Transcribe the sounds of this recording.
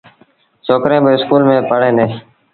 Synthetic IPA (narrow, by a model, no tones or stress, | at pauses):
soːkɾẽːbəɪskuːlmẽːpəɽẽːd̪eː